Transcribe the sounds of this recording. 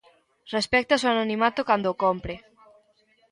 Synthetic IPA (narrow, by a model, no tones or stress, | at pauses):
respɛk̚t̪asoanonimat̪okand̪okompɾɪ